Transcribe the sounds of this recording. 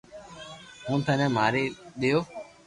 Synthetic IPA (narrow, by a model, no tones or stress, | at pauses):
ɦũːt̪ʰə̃nɛ̃ːmaːɾeːɗɪjoː